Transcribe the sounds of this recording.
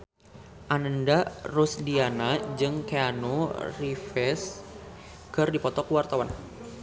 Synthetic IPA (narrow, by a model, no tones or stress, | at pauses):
ʔanəndarusdianad͡ʒɨŋkeanorifɛs | kɨrdipɔt̪ɔkəwart̪awan